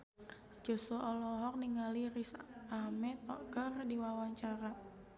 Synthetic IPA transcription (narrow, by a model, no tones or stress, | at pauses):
d͡ʒosuʔɔlɔɦɔk̚niŋalirisamɛt̪ɔkərdiwawaɲt͡ʃaɾa